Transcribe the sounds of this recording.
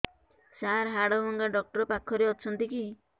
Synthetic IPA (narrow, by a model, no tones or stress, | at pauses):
saɾɦaɽɔbɔŋɡaɖɔk̚ʈɔɾɔpakʰːɔɾeɔt͡ʃʰɔnt̪iki